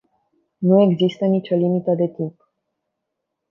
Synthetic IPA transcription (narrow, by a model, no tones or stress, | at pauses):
nue̞ɡzist̪ənit͡ʃo̞limit̪əd̪e̞t̪imp